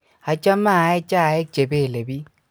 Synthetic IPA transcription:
a˨t͡ʃa˦ma˦˨ɛ˦t͡ʃa˦˨e˦t͡ʃe˨be˦˨le˨bi˦

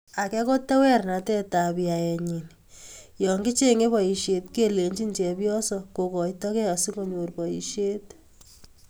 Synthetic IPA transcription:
a˨kɛ˦ko˦tːa˦wɛ˦rna˨tɛ˦ta˨bja˨jɛ˨ɲi˨n | jɔ˨ŋɡɪ˦t͡ʃe˦ŋe˦βɔ˨ji˨ʃje˨tke˦le˨ɲt͡ʃi˦nt͡ʃɛ˨pjɔ˦sɔ˦ko˨kɔ˨jtɔ˦kɛ˦a˨si˦ko˦ɲo˨rpɔ˨ḭ˨ʃje˦t

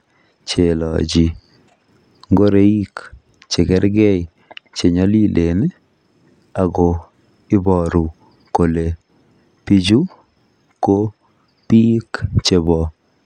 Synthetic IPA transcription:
t͡ʃe˨lɔ̰˨d͡ʒi˨ | ŋɡo˦ɾe˦i˦k | t͡ʃe˨ɡɛ˦ɾɡɛ˦i˨ | t͡ʃe˨ɲɔ˦li˦lʔe˨n˦ | a˨ɡo˨ | ɪ˦bɔ˨ɾu˨ | ko˨le˨ | pi˦d͡ʒu˦ | ko˦ | pi˦kt͡ʃe˨bɔ˨

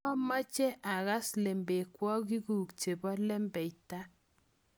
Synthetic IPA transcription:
ɔ˦ma˦t͡ʃɛ˦ʔa˨ɣa˦sle˨mbe˨kwɔ˦ki˦ɡu˨kt͡ʃe˨bɔ˦lɛ˦mbɛ˨ita˦

